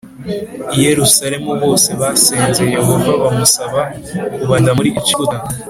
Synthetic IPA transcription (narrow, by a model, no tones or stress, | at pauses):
ije̞ɾusaɾe̞muβo̞ːse̞βaseːnzeje̞ɦo̞vaβamusaβakuβandamuɾiʔːt͡ʃiuta